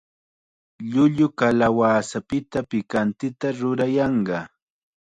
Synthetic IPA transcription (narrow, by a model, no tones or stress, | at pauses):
ʎʊʎʊkalawaːsapɪt̪apɪkant̪ɪt̪aɾʊɾajɑɴɢɑ